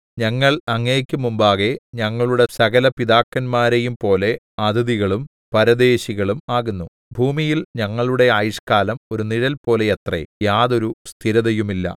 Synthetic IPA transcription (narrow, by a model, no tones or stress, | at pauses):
ɲɐŋːɐɭɐŋːeːkʲːumumbaːɣe̞ɲɐŋːɐɭuɽe̞sɐɣɐlɐpiðaːkːɐnmaːɾejumpo̞ːle̞ | ɐd̪ɐðiɣɐɭum | pɐɾɐd̪e̞ːɕiɣɐɭumaːɣunːu | bʱuːmijilɲɐŋːɐɭuɽe̞aːjʂkaːlɐmoɾuniɾɐlpo̞ːle̞et̪rḛjaːðo̞ɾust̪ʰiɾɐðɐjumilːɐ̰